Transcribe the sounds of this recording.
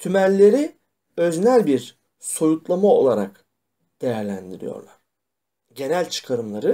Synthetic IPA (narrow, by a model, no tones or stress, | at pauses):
t̪ʰymæɾʲːe̞ɾi | øznælʲbiɾ | so̞jut̪lˠamao̞̰lˠaɾa̰k | d̪̥e̞jæɾlʲænd̪iɾḭjo̰ɾlˠa̰ɾ̥ | ɟe̞nælʲt͡ʃʰɯ̥kʰaɾɯmlˠaɾɯ